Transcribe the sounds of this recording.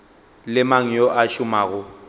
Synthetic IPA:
lɪmaŋ̩jɔʔaʃʊmaːɣʊ

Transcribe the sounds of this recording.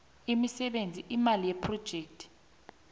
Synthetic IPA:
imisɛɓend͡zʱiʔimalijɛpʰrɔd̥ʒ̥ʱeːk̚tʰʼi̥

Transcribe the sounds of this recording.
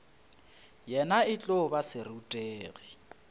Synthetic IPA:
jɛnaɪt͡ɬʼobasɪrutʼeːɣi

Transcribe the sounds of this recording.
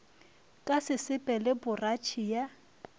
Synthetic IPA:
kʼasɪsɪpʼɛlɪbʊrat͡ʃʰija

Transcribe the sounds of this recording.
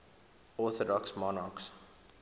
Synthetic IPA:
ɔθədɔksmɔnɑks

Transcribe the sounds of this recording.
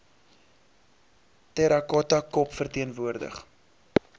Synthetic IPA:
tɛɾɐkɔtɐkɔpfərtiənvuərdə̰χ

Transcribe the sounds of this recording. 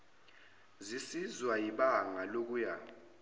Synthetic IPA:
zisizwajiɓaŋalok̬uja

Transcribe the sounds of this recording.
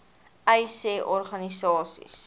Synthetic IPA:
ɛjseːʔɔrχɐnisɑːsḭs

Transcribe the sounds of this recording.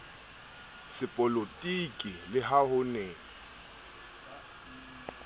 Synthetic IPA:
sɪpʼɔlotʼikʼilɪɦahʊneː

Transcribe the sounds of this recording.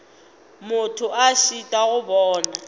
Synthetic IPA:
mʊtʰʊʔaʃitʼaɣʊbɔːna

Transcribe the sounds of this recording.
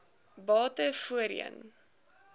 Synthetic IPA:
bɑːtəfuəɾḭə̰n

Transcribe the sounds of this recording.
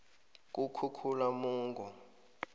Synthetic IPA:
k̬ʼukʰukʰulamuːŋɡʱɔ

